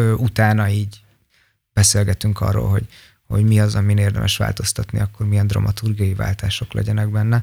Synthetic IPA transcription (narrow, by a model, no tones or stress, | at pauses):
øʔut̪aːnɒiːɟ | b̥ɛseːlɡɛt̪yŋkɒ̰rːo̰ːlɦo̞ɟ | ho̞̰ɟmiɒzɒmineːrd̪ɛ̰mʔɛʃʋa̰ːlt̪o̞st̪ɒt̪nḭɒkːo̞rmijɛnd̪rɒ̰mɒt̪urɡijɒjiva̰ːlt̪aːʃo̞klɛ̰ɟɛnɛɡbɛnːɛ